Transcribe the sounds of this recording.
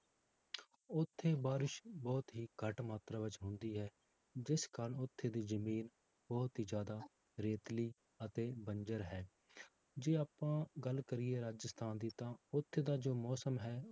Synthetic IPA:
ʊt̪ʰːeːbaːɾɪʃbɔːt̪ɦiːkəʈmaːt̪ɾaːʋɪt͡ʃɦʊ̃nd̪iːɦɛː | d͡ʒɪskaːɾənʊt̪ʰːeːd̪iːzəmiːn | bɔːt̪ɦiːd͡ʒjaːd̪aː | ɾeːt̪liː | ət̪eːbənd͡ʒəɾɦɛː | d͡ʒeːaːpãːɡəlkəɾɪːeːɾaːd͡ʒəst̪ʰaːnd̪iːt̪ãːʊt̪ʰːeːd̪aːd͡ʒoːmɔːsəmɦɛː

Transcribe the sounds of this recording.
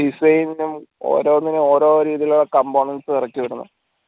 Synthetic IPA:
isɐjninumo̰ːɾo̞ːnːinɨo̞ːɾo̞ːɾiːðijɐluɭːɐkɐmboːɳɐnsɨt̪irɐkʲːiʋiɽunːṵ

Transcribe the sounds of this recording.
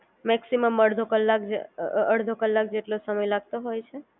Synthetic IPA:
mɛksiməməɽd̪ʱokəlːak̚d͡ʒəɽd̪ʱokəlːak̚d͡ʒeʈlosəməjlaɡ̚t̪oɦojt͡ʃʰe

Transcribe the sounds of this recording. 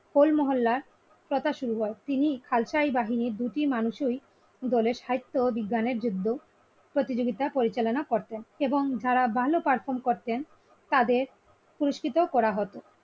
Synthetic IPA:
holmɔɦolːaɾ | pɾot̪aʃuɾuɦɔet̪inikʰalʃajbaɦiniɾd̪uʈimanuʃuj | d̪ɔleɾʃajt̪ːobiɡːaneɾd͡ʑud̪ʱːo | pɾot̪id͡ʑoɡit̪apoɾit͡ɕalonakoɾt̪eneboŋd͡ʑaɾabʱalopaɾfʰoɾmkoɾt̪en | t̪ad̪eɾ | puɾoʃkit̪okɔɾaɦot̪o

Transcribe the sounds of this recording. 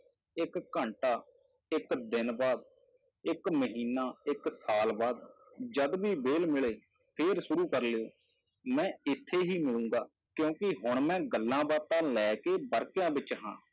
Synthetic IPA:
ɪkːəɳʈaː | ɪkd̪ɪnbaːd̪̚ | ɪkməɦiːnaːɪksaːlbaːd̪ | d͡ʒəd̪ʋiːbeːlmɪɭeː | pʰeːɾsʊɾuːkəɾleːo̰ː | mɛ̃ːɪt̪ʰːeːɦiːmɪlũːŋɡaː | kjõːkɪɦʊɳmɛ̃ːɡəlːãːbaːt̪ãːlɛːkeːbəɾkjãːbɪt͡ʃɦã̰ː

